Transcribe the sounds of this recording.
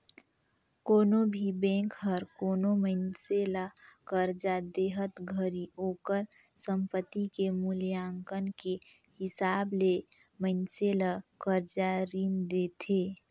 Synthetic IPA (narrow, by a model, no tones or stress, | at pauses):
koːnobʱibɛ̃ːkɦəɾkoːnoməɪnselakəɾd͡ʒad̪eːɦət̪ɡʱəɾioːkəɾ | səmpət̪ːikemʊljaːŋkənke | hɪsaːble | məɪnselakəɾd͡ʒaɾiːmd̪et̪ʰeː